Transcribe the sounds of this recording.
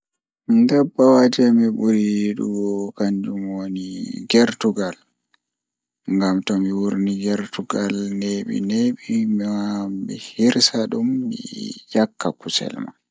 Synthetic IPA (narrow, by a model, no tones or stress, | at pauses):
mindabːawad͡ʒɛmiɓuɾiɗṵɡɔkand͡ʒumwoniɡɛɾtuɡal | ŋɡamtɔmiwuɾniɡɛɾtuɡalneɓḭneɓimiwambɛhiɾsaɗumːḭjakːakusɛ̰lma̰